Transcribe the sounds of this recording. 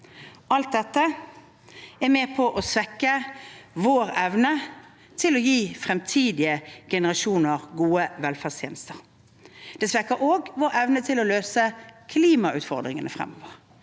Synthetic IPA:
ʔɑlt̪̚d̪ɛt̪ːə | ɛmeːpʰɔʔɔsʋɛkːəʋoːʁɛʋnə | t̪ʰɪlɔjiːfʁɛmt̪ʰiːd̪ɪəɡ̥ɛnəʁɑʃuːnəʁɡuːəʋɛlfæʁst̪jeːnəst̪əʁ | d̪̥ɛsʋɛkːəɾoːɡʋoːɾɛʋnət̪ʰɪlɔløːsəkʰliːmɑʔʉːt̪fɔʁd̪ʁɪŋənəfʁɛ̰mːɔːʋəʁ

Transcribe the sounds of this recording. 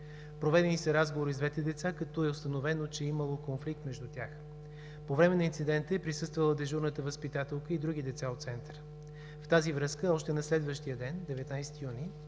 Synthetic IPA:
pɾovɛd̪ɛnisɐɾazɡovoɾizd̪vɛt̪ɛd̪ɛt̪sakɐt̪ɔɛost̪ənovɛnot͡ʃɛiməlˠokonflik̚t̪mɛʒd̪ut̪ʲax | povɾɛmɛnɐint̪sid̪ɛnt̪əɛpɾisɤst̪vəlˠəd̪ɛʒuɾnət̪əvəspit̪at̪ɛlˠkəid̪ɾuɡ̟id̪ɛt̪saot̪t̪sɛnt̪əɾə | ft̪azivɾɤskəɔʃt̪ɛnɐslɛd̪vəʃt̪ijəd̪ɛnd̪ɛvɛt̪najsɛ̥t̪ijuni

